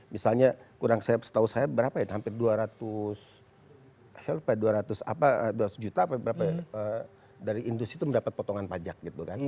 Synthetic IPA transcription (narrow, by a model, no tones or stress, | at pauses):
misalɲakuɾaŋsajapsə̥t̪ausajabəɾapajahampɪrduaɾat̪ʊs | asalupaduaɾat̪ʊsa̰paəduaɾat̪u̥sd͡ʒut̪aːpabəɾapaə | daɾiʔːndust̪ɾit̪uməndapat̪̚pot̪ɔŋanpad͡ʒak̚ɡit̪ukan